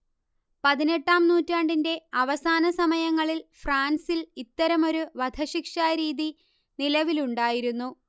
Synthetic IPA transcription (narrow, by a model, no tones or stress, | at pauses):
pɐðine̞ʈːaːmnuːtːaːɳɖinde̞ɐʋɐsaːnɐsɐmɐjɐŋːɐɭilfraːnsilit̪ːɐɾɐmo̞ɾuʋɐd̪ʱʰɐɕikʂaːɾiːði | nilɐʋiluɳɖaːjiɾunːu